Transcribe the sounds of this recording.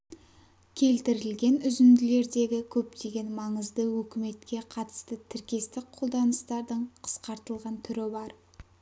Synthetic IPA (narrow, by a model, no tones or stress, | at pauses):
kʲʰe̞lt̪ɪɾɪlɡʲe̞nʏzɪnd̪ɪle̞ɾd̪e̞ɡʲɪkʲʰɵp̚t̪e̞ɡʲe̞nmɑɴəzd̪əwɵkʲɪme̞t̪kʲe̞qʰɑt̪ə̥st̪ət̪ʰɪɾkʲe̞st̪ɪk̚qʰod̪ɑnəst̪ɑɾd̪əɴqʰə̥sqɑɾt̪əlˠʁɑnt̪ʰʏɾɪbɑɾ